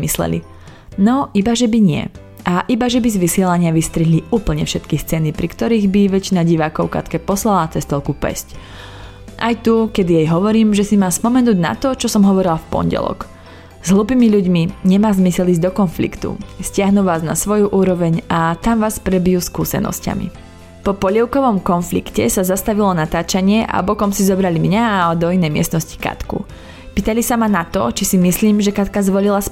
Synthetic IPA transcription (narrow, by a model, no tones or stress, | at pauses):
mislɛ̰lḭ | nɔibaʒɛbiɲɪɛ̰ | ʔaʔibaʒɛbizʋisɪɛlaɲɪaʋist̪ɾiɦliuːpl̩ɲɛfʃɛt̪kist͡sɛnipɾikt̪ɔɾiːɣbiʋɛt͡ʃinaɟiʋaːkɔʊka̰t̪kɛpɔslalat͡sɛst̪ɔlkupɛ̰sc | ʔa̰jt̪ukɛd̪ijɛjɦɔʋɔɾiːmʒɛsimaːspɔmɛnuːɟna̰t̪ɔt͡ʃɔsɔmɦɔʋɔɾilafpɔ̰nɟɛ̰lɔ̰k | z̥ɦlupiːmiʎuɟmiɲɛmaːzmisɛliːzd̪ɔkɔnflḭkt̪ṵscɪaɦnuʋaːzna̰sʋɔjuʔuːɾɔʋɛɲat̪amʋaːspɾɛbijuskuːsɛ̰nɔ̰sca̰mḭ | pɔpɔʎɛʊkɔʋɔmkɔnflikcɛsazast̪aʋilɔnat̪aːt͡ʃaɲɪɛʔa̰bɔkɔmsizɔbɾalimɲad̪ɔinɛjmɪɛ̰st̪nɔsci̥ka̰t̪kṵ | piːt̪alisamanat̪ɔ̰t͡ʃisimisliːmʒɛkat̪kazʋɔlilas